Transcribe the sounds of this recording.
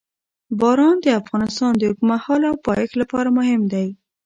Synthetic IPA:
bɑɾɑnd̪əafɣɑnɪst̪ɑnd̪əhʊkumahɑlawpɑjɪxlapɑɾamʊɦɪmd̪aj

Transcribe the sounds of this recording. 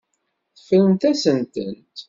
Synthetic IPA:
θəflənt̪æsənt̪ənt̪

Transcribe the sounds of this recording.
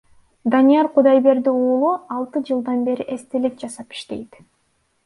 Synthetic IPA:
d̪anʲijɑɾqʰud̪ɑjbe̞ɾd̪iuːlˠuɑlˠt̪ɯd͡ʒɯlˠd̪ɑnbe̞ɾiʔe̞st̪ilik̚d͡ʒɑsɑpi̥ʃt̪e̞jt̪

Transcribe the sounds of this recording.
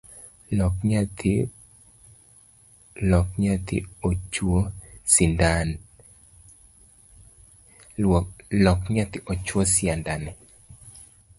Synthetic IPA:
t | lɔkɲat̪ḭot͡ʃwosindan | lɔkɲat̪ɪʔɔt͡ʃwɔsɪandanɛ

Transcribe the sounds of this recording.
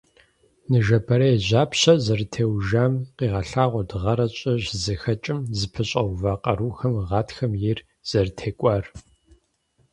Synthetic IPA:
nɨʒɐbʰɐɾɐjʑaːpʰɕɐzɐrtʰeːwʒaːmqiːʁɐɬaːʁʷɔdɨʁɐɾɐɕʼɐʑzɨxɐt͡ʃʼɪmzɨpʰɨɕʼɐwvaːqʼɐɾuːxɐmʁɑːtʰxɐmjɪr | z̥ɐrtʰeːkʷʼɑːr

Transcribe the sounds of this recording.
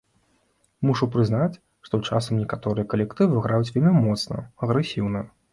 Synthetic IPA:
muʂupɾɨznat͡sʲ | ʂt̪ɔt͡ʂasɐmnʲɛkat̪ɔɾɨjɐkɐlʲɛkt̪ɨvɨɣɾajut͡sʲvʲɛlʲmʲimɔt̪snɐ̰ɐɣɾɛsʲiwnɐ

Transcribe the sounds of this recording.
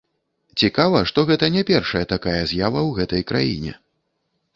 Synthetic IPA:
t͡sʲikavɐʂt̪ɔɣɛt̪ɐnʲɛpʲɛrʂɐjɐt̪akajɐzʲjavɐwɣɛt̪ɐjkɾajḭnʲɛ̰

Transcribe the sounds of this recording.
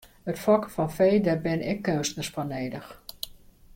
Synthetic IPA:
ətfɔkəfɔnfejdərbɪnɛkːøwstnəsfɔneːdəx

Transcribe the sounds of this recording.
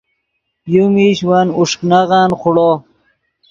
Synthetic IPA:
pjumiːɕwanuʂknaʁanχuɽo

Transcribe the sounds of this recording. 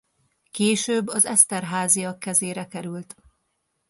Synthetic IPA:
keːʃøːbːɒzɛst̪ɛrɦaːzijɒkːɛzeːɾɛkɛɾylt̪

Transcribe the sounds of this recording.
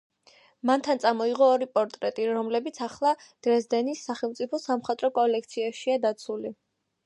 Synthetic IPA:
mant̪ʰant̪sʼamɔiʁɔːɾipʼɔɾt̪ʼɾɛt̪ʼiɾɔmlɛbit̪sʰaχlˠad̪̥ɾɛzd̪ɛnisːaχɛlˠmt̪sʼipʰɔsamχat̪ʼɾɔkʼɔlɛk̚ʰt̪sʰiaʃiad̪at̪sʰuli

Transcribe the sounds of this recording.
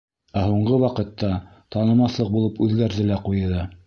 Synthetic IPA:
æhuɴɢɤwɑqɤ̆t̪ːɑt̪ɑnɤ̆mɑθlˠɤq̚bulˠɤpʉðɡæɾðɘlæqujɤðɤ

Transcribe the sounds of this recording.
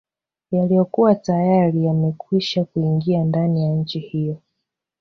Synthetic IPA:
jalijɔkuwatajaɾijamɛkwiʃakuiŋɡiandanijaɲ̩t͡ʃihijɔ

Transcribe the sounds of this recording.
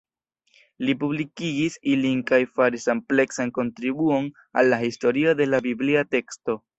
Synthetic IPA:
lipublikiɡisilinkajfaɾisample̞ksanko̞ntɾibuo̞n | a̰lːahisto̞ɾio̞de̞labibliate̞ksto̞

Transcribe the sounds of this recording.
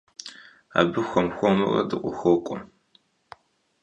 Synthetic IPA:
a̰ːbɨxʷɔmxʷɔmɨrɐ̰dɨqʷʼʊxʷɔkʷʼɔ

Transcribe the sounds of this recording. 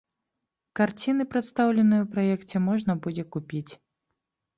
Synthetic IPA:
kart͡sʲin̪ɨpɾɐt̪st̪awlʲɛnɨjɛwpɾajɛkt͡sʲɛmɔʐnɐbud͡zʲɛkupʲit͡sʲ

